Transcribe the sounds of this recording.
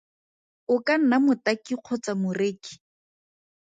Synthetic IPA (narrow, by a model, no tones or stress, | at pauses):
ʊkan̩namʊtakiq͡χʰʊt͡samʊreːki̥